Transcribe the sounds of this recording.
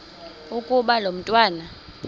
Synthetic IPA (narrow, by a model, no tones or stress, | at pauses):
ukʼuɓalom̩tʼwaːna